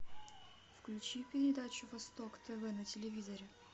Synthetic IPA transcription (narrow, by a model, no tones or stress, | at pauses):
fklʲʉt͡ɕipʲɪɾʲɪd̪at͡ɕʊvɐst̪okt̪ɛvɛnətʲɪlʲɪvʲizəɾʲɪ